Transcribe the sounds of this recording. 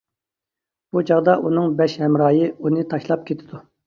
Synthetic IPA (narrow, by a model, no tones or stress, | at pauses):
b̥ut͡ʃʰɑʁd̪ɑʔunɨŋbɛʃhɛmɾɑːjɨunɨt̪ʰɑʃlˠɑp̚kʲʰet̪ʰɪd̪u